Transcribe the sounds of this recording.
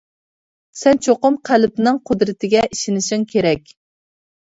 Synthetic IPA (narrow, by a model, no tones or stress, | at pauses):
sɛnt͡ʃʰoqʊmqʰælpnɨŋqʰʊd̪ɾɨt̪ʰɪɡʲɛʔiʃɪnɪʃiŋkʲʰeɾɛkʲ